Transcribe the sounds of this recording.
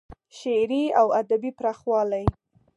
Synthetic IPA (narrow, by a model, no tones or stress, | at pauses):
ʃeɾiawad̪abipɾɑxwɑlaj